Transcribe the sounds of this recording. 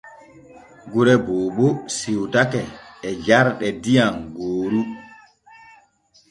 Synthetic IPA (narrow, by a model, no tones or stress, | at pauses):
ɡuɾɛboːɓɔsiwtakɛːd͡ʒaɾɗɛdijaŋɡoːɾu